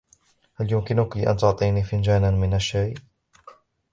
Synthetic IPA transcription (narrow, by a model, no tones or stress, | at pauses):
haljʊmkɪnʊkiʔa̰nt̪ʊʕt̪ˤiːnifɪnd͡ʒaːnanmɪnaʃːaj